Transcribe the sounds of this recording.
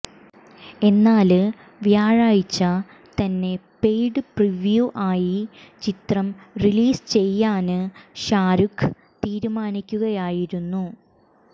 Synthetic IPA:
e̞nːaːlɨ | ʋjaːɻaːjit͡ɕːɐ | t̪ɐnːe̞pe̞jɖɨpriʋjuʔaːjit͡ɕit̪rɐmriliːst͡ɕe̞jːaːnɨɕaːɾukʰ | t̪iːɾumaːnikʲːuɣɐjaːjiɾunːu

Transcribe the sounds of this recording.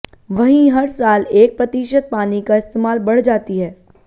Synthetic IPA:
ʋɐɦĩɦɐɾsaːleːk̚pɾɐt̪iːʃət̪̚paːnikaɪst̪eːmaːlbɐɽ̤d͡ʒaːt̪iɦɛː

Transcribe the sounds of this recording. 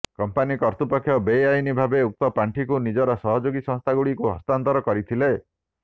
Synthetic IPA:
kɔmpanikɔɾt̪upɔkʰːjɔbejajnibʱabeuk̚t̪ɔpaɳʈʰikunid͡ʒɔɾɔsɔɦɔd͡ʒoɡisɔ̃ŋst̪ʰaɡuɽikuɦɔ̰st̪ant̪ɔɾɔkɔɾit̪ʰile

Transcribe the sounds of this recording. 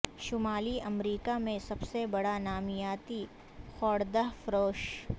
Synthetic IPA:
ʃʊmaːliʔɐmɾiːkamẽsɐbsebɐɽanaːmɪjaːt̪i | xɔːɽd̪əɦfɾoːʃ

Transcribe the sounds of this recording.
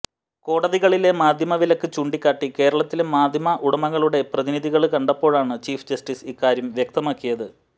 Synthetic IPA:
ko̞ːɽɐðiɣɐɭile̞maːd̪ʱjɐmɐʋilɐkːɨt͡ɕuːɳɖikʲːaːʈːike̞ːɾɐɭɐt̪ːilemaːd̪ʱjɐmɐʔuɽɐmɐɣɐɭuɽe̞prɐðiniðiɣɐɭkɐɳɖɐpːo̞ːɻaːɳɨt͡ɕiːfd͡ʑɐsʈisikːaːɾjɐmʋjek̚t̪ɐmaːkːijɐðɨ

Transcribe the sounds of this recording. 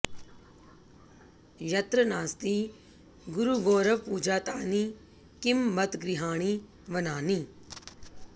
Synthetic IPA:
jɐt̪ɾənaːst̪iː | ɡʊɾuɡoːɾəʋpuːd͡ʒaːt̪aːniː | kɪmːət̪ɡɾɪɦaːɽ̃iː | ʋənaːniː

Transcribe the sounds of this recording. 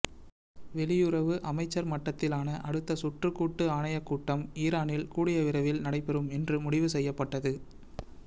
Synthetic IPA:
ʋɛɭɪjɯɾɐʋɯʔɐmɐɪt͡ʃːɐɾmɐʈːɐt̪ːɪlaːnɐʔɐɽɯt̪ːɐsʊʈrɯkːuːʈːɯaːɳɐjɐkːuːʈːɐmiːɾaːnɪlkuːɽɪjɐʋɪɾɐʋɪlnɐɽɐɪpɛɾɯmɛndrɯmʊɽɪʋɯsɛjːɐpːɐʈːɐðɯ

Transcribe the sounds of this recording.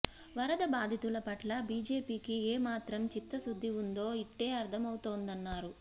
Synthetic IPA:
ʋɐɾɐd̪ɐbaːd̪ʱit̪ulɐpɐʈlɐbiːd͡ʒe̞ːpiːkieːmaːt̪ɾɐmt͡ʃit̪ːɐsud̪ʱːiund̪o̞ːiʈːe̞ːɐɾd̪ʰʱɐmɐwut̪o̞ːnd̪ɐnːaːɾu

